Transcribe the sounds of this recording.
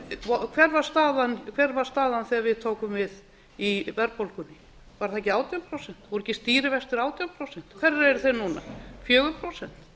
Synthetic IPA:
vɔkʰvɛɾvaɾ̥st̪aːðankʰvɛɾvaɾ̥st̪aːðanθiavɪðt̪ʰoːwkʏmvɪð | ivɛɾpolkʏnːɪ | vaɾ̥θaɛcɪaːwt̪jɔmpʰɾowsɛn̥t̪vɔɾɛcɪst̪iːɾɪvɛst̪ɪɾaːwt̪jɔlpʰɾowsɛn̥t̪kʰv̥ɛraɛɾθenuna̰fjœːɣʏpʰɾowsɛn̥t̪

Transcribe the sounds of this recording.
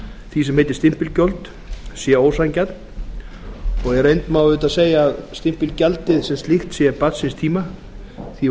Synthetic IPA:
θisɛmhejt̪ɪɾ̥st̪ɪm̥pɪlcœlt̪ | sjɛoːwsajncat̪n | ɔɣɛɾejnt̪mawʏːt̪aseːjaːðst̪ɪm̥pɪlcalt̪ɪðsɛmst̪lɪxt̪sjɛpat̪sɪnst̪ʰiːma | θi

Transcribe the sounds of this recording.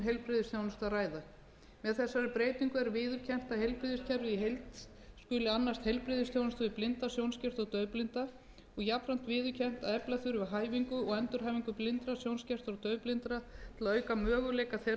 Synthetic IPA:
ɦejlpɾɪðɪsθjownʏst̪araːjða | mɛðθɛsːaɾɪpɾeːjt̪iŋkʏɛɾvɪːðʏɾ̥cʰɛm̥t̪ahejlpɾɪðɪscʰaɾɪiɦejlt̪ | skʏlɪanːast̪hejlpɾɪðɪst̪jownʏst̪vɪplɪnt̪asjownscɛr̥t̪ɔɣt̪œːɥplɪnt̪a | ɔɣjapɾan̥t̪vɪːðʏɾ̥cʰɛm̥t̪aðɛplaθʏɾvɪɦaːjviŋkʏɔɣɛnt̪ʏɾ̥ɦaːjviŋkʏplɪnt̪ɾasjownscɛr̥t̪ɔɣt̪œːɥplɪnt̪ɾat̪ʰɪlaøːɥkamœːɣʏleːjkaθe

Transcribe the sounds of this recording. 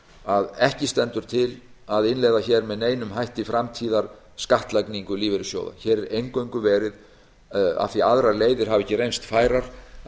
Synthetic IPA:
aðɛhcɪst̪ɛnt̪ʏɾ̥t̪ʰɪl | aðɪnlɛjðaçɛɾmɛðneːjnʏmɦajht̪ifɾamt̪ʰiːðaɾ̥ | skaht̪lajkniŋkʏliːvɪɾɪsjo̰ːwða̰çɛːɾɛɾejŋkœɥŋkʏvɛːɾɪð | a̰θiaðɾaɾleːjðɪɾ̥ɦavɛhcːɪrejnst̪faːjɾaɾ̥

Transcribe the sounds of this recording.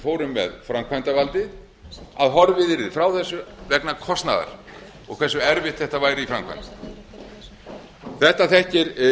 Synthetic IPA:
foːwɾʏmːɛ̰ðfɾamkʰvajnt̪avalt̪ɪ | a̰ðɦɔɾvɪðɪɾfɾawθɛsːʏvɛknakʰɔst̪na̰ða̰ɾ̥ | ɔ̰ɣkʰvɛsːʏɛɾvɪht̪θɛht̪avaːjɾɪifɾa̰mkʰva̰jnt̪ɪ̥ | θɛht̪aθɛhcɪɾ

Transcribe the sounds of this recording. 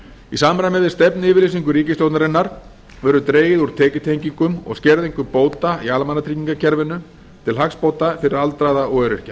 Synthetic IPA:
isaːmɾamɛvɪðst̪ɛpnɪːvɪɾlesiŋkʏɾiːcɪst̪jowt̪naɾɪnːaɾ̥ | vœɾʏt̪ɾeːjɪðuɾ̥t̪ʰɛːcʏt̪ʰejɲciŋkʏmɔ̰ɣscɛɾðeŋkʏpoːwt̪aialmanːat̪ʰɾiciŋkacʰɛɾvɪnːʏ | t̪ʰɪlɦakspowt̪afɪɾɪɾalt̪ɾajðaɔœɾɪr̥ca

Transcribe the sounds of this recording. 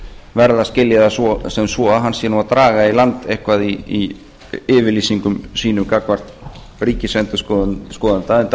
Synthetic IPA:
vɛɾðascɪljaðassɛmsvɔːaɦanːsɛːnʏvaɾt̪ɾaːɣailant̪ehkvaðiː | ɪːvɪliːsiŋkʏmsiːnʏmkakvar̥t̪ | riːcɪsɛnt̪ʏ̥sskɔːðant̪aɛnt̪

